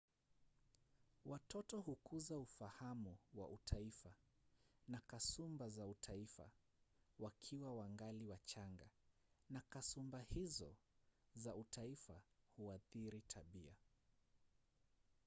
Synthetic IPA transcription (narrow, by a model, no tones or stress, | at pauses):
watʰɔtɔhukuzaufahamuwa̰ʔutʰaifa | nakasumbazautʰaifa̰ | wakʰiwawaŋɡaliwat͡ʃaŋɡa | nakasumbahizɔzautʰaifahuaθiɾitʰaɓia